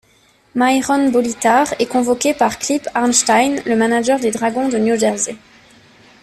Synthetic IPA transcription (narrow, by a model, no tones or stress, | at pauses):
majʁɔnbɔlit̪aʁɛkɔ̃vɔkʲepaʁklipaʁnʃt̪ajnləmanaʒœʁd̪ed̪ʁaɡɔ̃d̪ənjuʒɛʁzi